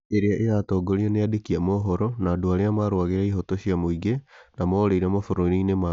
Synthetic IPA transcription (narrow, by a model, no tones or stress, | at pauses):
eɾeaʔeatɔːɡoɾiɔneadekiamɔɦɔɾɔnaːdoaɾeamaɾwaɣeɾaiɦɔtoɕiamoiɡenamɔɾeiɾamofoɾoɾinema